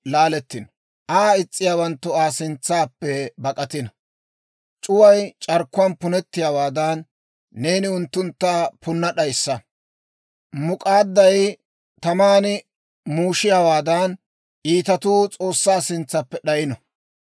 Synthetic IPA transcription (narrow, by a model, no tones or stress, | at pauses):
laːlɛt̪ːɪnɔ | ʔaːɪt͡sʼːɪjaːwɐnt̪ːʊaːsɪnt͡sːaːpːɛbɐkʼɐt̪ɪnɐ | t͡ʃʼʊwɐjt͡ʃʼɐɾkːʊwɐːnpʊnɛt̪ːɪjaːwaːd̪ɐnː | e̞ːnɪʊnt̪ːʊnt̪ːaːpʊnːɐɗɐjsːɐ | mʊkʼaːd̪ːɐj | t̪ɐmaːnɪ | muːʃɪjawaːd̪ɐn | ʔiːt̪ɐt̪uːt͡sʼo̞ːsːaːsɪnt͡sːɐpːɛɗɐjɪnɔ